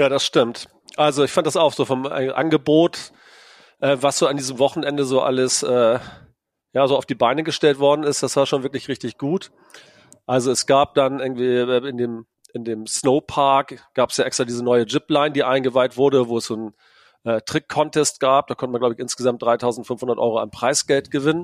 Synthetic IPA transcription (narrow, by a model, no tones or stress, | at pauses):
jaːdasʃtɪmt | ʔalzoɪçfant̚d̥asaʊxz̥oːfɔm̰ʔa̰nɡəboːt | ʔɛːvasz̥oːandiːzəm̩vɔχn̩ʔɛndəzoːʔa̰ləsʔɛː | jaːzoːaʊfd̥iːbaɪnəɡəʃtɛltv̥ɔɐdn̩ɪstd̥asv̥aːɐʃoːnvɪɐklɪçʁɪçtɪçɡ̥uːt | ʔalzoɛsɡ̥aːp̚d̥anʔɪɐɡŋ̩tv̥iːɛɪndeːm | ʔɪndeːmsnoʊpʰaɐkɡ̥aːpə̥sjaːʔɛkstʁ̥aːdiːzənɔʏəd͡ʒɪplaɪndiːʔaɪnɡəvaɪtv̥ʊɐdəvoːɛsz̥oːn | ʔɛːtʁ̥ɪkʰːɔntʰɛst̚ɡ̥aːp̚d̥aːkʰɔntəmanɡlaʊbəçʔɪnsɡ̥əzamt̚d̥ʁaɪtʰaʊzn̩tfʏnfhʊndɐtʔɔ̰ʏʁoʔa̰npʁ̥aɪsɡ̥ɛltɡ̥əvɪnən